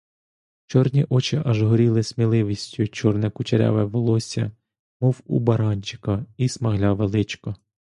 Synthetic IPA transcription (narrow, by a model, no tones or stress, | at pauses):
t͡ʃɔrnʲiʔɔt͡ʃɪʔɐʒɦɔɾʲilˠɪsmʲilˠɪʋʲisʲtʲʊt͡ʃɔrnɛkʊt͡ʃeɾʲɑ̰ʋɛʋɔlˠɔsʲɐ̰ | mɔwṵbɐɾɑnʲt͡ʃɪ̥kɐismɐɦlʲɑʋelˠɪt͡ʃkɔ